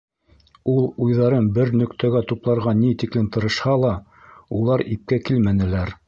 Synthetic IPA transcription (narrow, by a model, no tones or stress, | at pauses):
ulˠujðɑɾɤnbɘɾnɵ̆kt̪æɡæt̪uplˠɑɾʁɑnit̪iklɘmt̪ɤ̆ɾɤ̆ʃhɑlˠɑ | ulˠɑɾip̚kækilmænɘ̆læɾ